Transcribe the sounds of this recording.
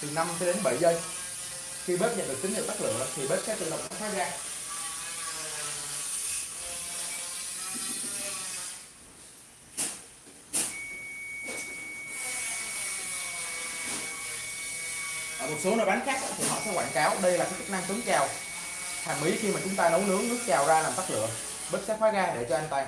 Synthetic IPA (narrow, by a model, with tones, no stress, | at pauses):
t̪ʰi˨˩na˧mt͡ɕɔ˨˦ɗe˨˦nɓə˧˩˨jzə˧˩j | xi˧ɓe˦˥p̚ɲə̰˧˨nɗɨ˨˩k̚t͡ɕï̟˨˦hḭ˧˨˩k̪a˦˥klɨ̰˧˨ŋlə˨˩p̚t̪ʰi˨˩ɓe˦˥p̚kaː˨˥jt̪ɨ˧˨lə˨˩w̚nɔ˨˦˥sʰaː˨˦˥zaː˧ | ʔəː˧˩mo˨˩t̚so˨˦nəː˧˩jɓa˨˦n̟xaː˦˥k̚ʔa̰ː˧˥t̪ʰi˨˩ɦɔ̰˧˨sɛ̰˨˦kwa̰ː˧˨nkaː˨˦wɗə˧jlaː˨˩kaː˨˦t͡ɕə˦˥k̚na˧ŋt̪ə˨˦ŋt͡ɕaː˨˩w | h̪ʰaː˨˩mʔi˨˦xi˧maː˨˩t͡ɕʊ˨˦ŋ͡mt̪aː˧nə˨˦wlɨ˨˦əŋzu˦˥t̚t͡ɕaː˨˩wzaː˧laː˨˩mt̪a˦˥k̚lɨ̰˧˨əŋ | ɓe˦˥t̚saː˦˥t̚fwaː˨˦jɣaː˧ɗe˧˩t͡ɕɔ˧ʔa˧ŋ̟t̪aː˧